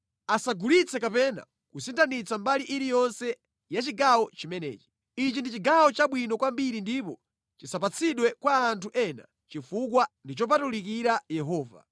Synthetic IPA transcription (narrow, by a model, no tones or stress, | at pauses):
asaɡulit͡sʰɛkapɛna̰ | kusintʰanit͡sambaliʔiɾijɔnsɛ | jat͡ʃiɡawɔt͡ʃimɛnɛ̰ːt͡ʃi̥ | it͡ʃindit͡ʃiɡawɔt͡ʃaɓwinɔkwambiɾindip̬ɔ | t͡ʃisapat͡sʰiɗwɛkwaːntuʔɛna̰ | t͡ʃifukwandit͡ʃɔp̬atulikiɾajɛɦɔːva̰